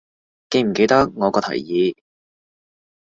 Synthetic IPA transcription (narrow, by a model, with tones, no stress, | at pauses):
ke˧jm̩˨˩ke˧jt̪ɐ˥k̚ŋɔː˨˧kɔː˧t̪ʰɐ̰˨˩jjiː˨˧